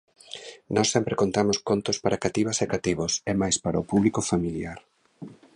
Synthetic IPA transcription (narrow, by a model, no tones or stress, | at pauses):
nɔsːempɾekont̪amʊskont̪ʊspaɾakat̪iβasɛkat̪iβosɛmajspaɾaopuβlikofamiljaɾ